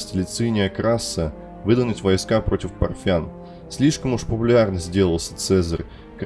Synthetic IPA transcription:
sʲtʲlʲɪt̪sɨnʲɪjəkɾasːə | vɨd̪ənətʲvojskapɾo̞tʲɪfpɐrfʲan | sʲlʲiʂkəmuʂpəpʊlʲarnəzʲdʲe̞lˠəlˠsʲə̥t̪sɛzər | k

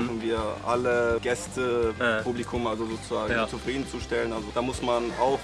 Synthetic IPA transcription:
n̩viːɐʔaləɡ̥ɛstʰəublikʰʊmʔalzozoːt͡suzaːɡŋt͡sufʁ̥iːdn̩t͡suʃtɛlənalzod̥aːmʊsmanaʊx

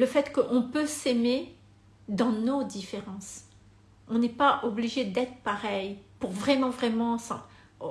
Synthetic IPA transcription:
ləfɛt̪kəʔɔ̃pøseme | d̪ɑ̃nod̪ifeʁɑ̃s | ɔ̃nɛpaʔɔbliʒed̪ɛt̪χəpaʁɛjpuʁvʁɛmɑ̃vʁɛmɑ̃sɑ̰̃

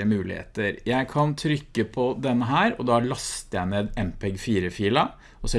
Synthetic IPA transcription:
əmʉːlɪ̰hḛːt̪əɾjæɪkʰɑnt̪ʰɾʏkːəpʰɔd̪ɛnːəɦæːɾɔd̪ɑɭɑst̪jæɪmeːd̪ɛmpʰɛɡfiːɾəfiːlɑ | ɔsɛ

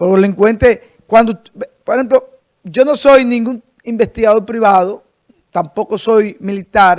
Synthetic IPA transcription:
pooleŋkwe̞nt̪e | kwand̪o | poɾehemp̬lo | d͡ʒo̞no̞so̞jnĩŋɡuŋ | imbe̞st̪iɣaðo̞ɾpɾiβaðo | t̪ampo̞koso̞jmilit̪aɾ

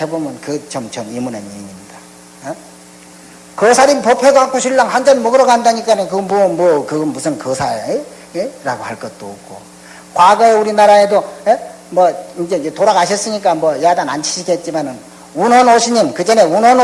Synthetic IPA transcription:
he̞bomjʌnkɯt͡ɕʌmt͡ɕʌnimuneniɲimɲid̥a | e | kʌsʰaɾimpopʰeɡaak͈oɕʰiɭːaŋhand͡ʑʌnmʌɡɯɾʌɡandaɲik͈anekɯʌmʌmwʌkɯɡʌmusʰɯnkʌsʰae | eɾaɡohaɭk͈ʌt̚t͈ook̚k͈ʰo̰ | kwaɡʌeuɾinaɾae̞doe | mwʌind͡ʑe̞toɾaɡaɕ̬ʰʌs͈ɯɲik͈amwʌjadanant͡ɕʰi̥ɕʰiɡet̚t͡ɕ͈imanɯn | unʌnoɕʰiɲimkɯd͡ʑʌne̞unʌn

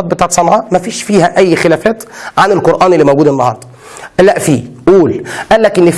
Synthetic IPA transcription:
ɑt̪̚bet̪æʕt̪sˤɑnːɑʕɑmæfiːʃfiːhæʔæjːxelæːfæːt̪ʕanɪlqoɾʔæːnʔelːimowɡuːd̪enːɑhɑ̰ɾˤd̪ˤ | ʔælːæʔfiːʔuːlʔælːækʔɪnːɪf

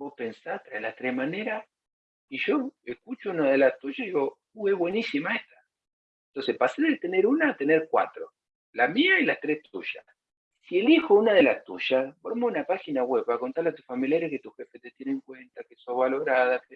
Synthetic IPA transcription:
bo̞hpensat̪ɾaelaht̪ɾehmaneɾa | iʒoehkut͡ʃounaðe̞last̪uʒaiiɣo | ueβwe̞nisimaeht̪ḁ | ent̪onse̞hpaseɾðet̪eneɾunat̪e̞neɾkwa̰t̪ɾo | lamiaelaht̪ɾeht̪ṵʒa̰ | sie̞lixounaðelast̪ṵʃasboɾmounapaxinaɣweβakont̪aɾleat̪usfamiljaɾehket̪uxefet̪et̪jenẽŋkwe̞nt̪akesomβalo̞ɾaðake

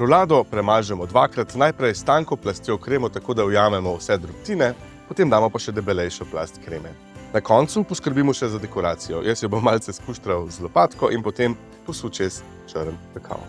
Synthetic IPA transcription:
pɾɔwlaːd̪ɔpɾɛmaːʒɛmɔd̪ʋakɾat̪najpɾɛjst̪aːŋkɔplast̪jɔkɾeːmɔt̪akoːd̪awjaːmɛmɔwsɛd̪ɾupt̪iːnɛ | pɔt̪emd̪aːmɔpaʃɛd̪ɛbɛlɛjʃɔpla̰st̪kɾeːmɛ | nakɔnt̪supɔskəɾbiːmɔʃɛzad̪ɛkɔɾaːt̪sijɔjʔɛsjɔbomːalsɛspuʃt̪ɾawzlɔpaːt̪kɔʔinpɔt̪em | pɔsut͡ʃes | t͡ʃəɾnt̪ɛkʰa̰w

